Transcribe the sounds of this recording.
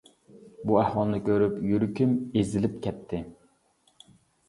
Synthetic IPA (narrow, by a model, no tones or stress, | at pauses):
buæhwɑlˠnɨkʲʰøɾypjyɾykʲymezɪlɪpkʲʰɛt̪ʰːɪ